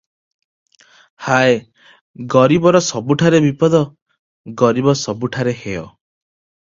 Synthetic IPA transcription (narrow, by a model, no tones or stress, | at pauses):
hae | ɡɔɾibɔɾɔsɔbuʈʰaɾebipɔd̪ɔ | ɡɔɾibɔsɔbuʈʰaɾeheɔ